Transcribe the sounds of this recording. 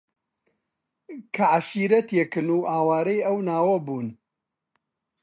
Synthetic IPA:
kʰɐʕaʃiːɾɐt̪jekɨnuːʔaːwaːɾɐjɐwnaːwɐbuːn

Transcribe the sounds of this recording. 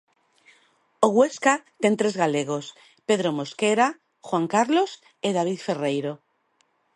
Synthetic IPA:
oɣwe̞skat̪ent̪ɾezɣaleɣ̞os | pe̞ðɾomoskeɾa | xwaŋkaɾlos | eð̞aβ̞iθfe̞rejɾo

